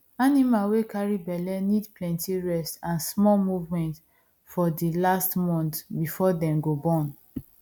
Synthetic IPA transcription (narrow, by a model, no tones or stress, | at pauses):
animawekaɹibɛlɛnidplɛ̃ntiɹɛstãnsmɔlmuvmɛ̃nt | fɔdilastmɔ̃ntbifɔdɛ̃mɡobɔ̃n